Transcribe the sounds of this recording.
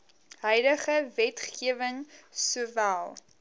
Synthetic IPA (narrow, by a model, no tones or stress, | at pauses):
ɦœjdəχəvɛtχiəvəŋsuəvælˠ